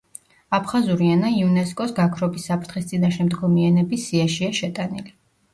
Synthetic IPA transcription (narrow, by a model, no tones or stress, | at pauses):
apʰχazuɾianaiunɛskʼɔsɡakʰɾɔbisːapʰɾt̪ʰχist̪sʼinaʃɛmd̪ɡɔmianɛbisiaʃiaʃɛt̪ʼanili